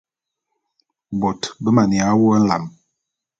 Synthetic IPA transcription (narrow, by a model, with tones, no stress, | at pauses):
bɔ˨tbə˦ma˨ni˨a˨˦wo˦n̩˦la̰˨m